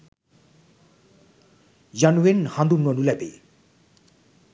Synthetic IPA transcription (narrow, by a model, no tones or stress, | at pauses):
januwenhãnd̪unːɔnulɛpḛ